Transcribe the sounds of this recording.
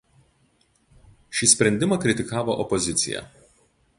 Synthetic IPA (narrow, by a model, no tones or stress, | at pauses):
ʃʲiːsʲpʲɾʲɛnʲd̪ʲɪmɐkɾʲɪt̪ʲɪkɑːʋoʔɔpɔzʲɪt̪sʲɪ̰jɛ̰